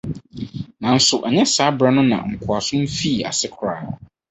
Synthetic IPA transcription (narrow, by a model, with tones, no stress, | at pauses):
nã˨n̩˦sʊ˨ʔɛ˨ɲɛ̃˦saː˨˦bɾɛ˦nʊ̃˦nã̰˨ŋ̩˨kʰʊ˨a˨sʊ̃˦m̩˦fi˦˨a̰˨sɪ˦kʰɾaː˨ɔ˨